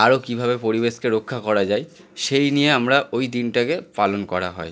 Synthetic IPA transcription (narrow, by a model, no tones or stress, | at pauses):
aɾokibʱabepoɾibeʃkeɾokʰːakɔɾad͡ʑaj | ʃejnijeamɾaʔojd̪inʈakepalonkɔɾaɦɔ̰e